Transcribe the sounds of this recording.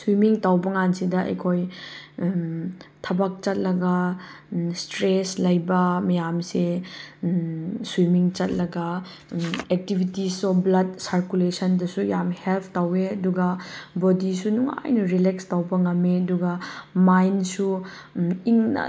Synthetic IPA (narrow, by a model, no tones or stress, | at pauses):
swimiŋtawbɐŋansidɐʔɐ̰jkʰoj | tʰɐbɐk̚t͡ʃɐt̚lɐɡɐ | stɾeslɐjbɐmɐjamsi | swimiŋt͡ʃɐt̚lɐɡɐ | ek̚tibʱitisɔblɐd̚saɾkulesɐndɐsujamhelpʰtaweɐduɡɐbodisunuŋa̰jnɐɾilekstawbɐŋɐmeɐduɡɐmajnsu | iŋnɐ̰